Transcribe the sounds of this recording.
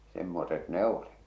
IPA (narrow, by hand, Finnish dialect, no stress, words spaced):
semːoset ne oli